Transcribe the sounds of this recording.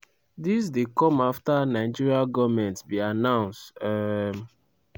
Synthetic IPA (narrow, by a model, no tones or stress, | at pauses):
dis̬dekɔ̃maftanaɪd͡ʒiɹiaɡɔvmɛ̃ntbianãʊ̃nstɛm